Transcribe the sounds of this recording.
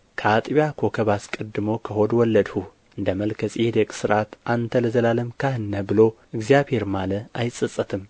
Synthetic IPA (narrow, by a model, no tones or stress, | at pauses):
kʰat̪ʼiβjakʰo̞kʰɐβaskʼɨd̪ːɨmo̞kʰɐhod̪wɔlːɐd̪hu | ʔɨnd̪əmɐlkʰɐst͡sʼid̪ekʼsɨɾʔat̪ʔant̪ʰɐlɐzɐlalɨmkʰahɨnːɐbɨlo̞ʔɨɡzijaβheɾmalɐajt͡sʼɨt͡sʼːɐt̪ʰɨm